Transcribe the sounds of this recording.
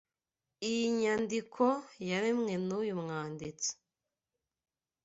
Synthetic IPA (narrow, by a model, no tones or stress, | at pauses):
ijiɲandikʰojaɾimŋe̞nujumŋaːndit͡so̥